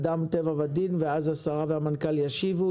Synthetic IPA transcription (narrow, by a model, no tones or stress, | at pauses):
d̪amt̪evavad̪inveazhasaʁavehamankaljaʃivu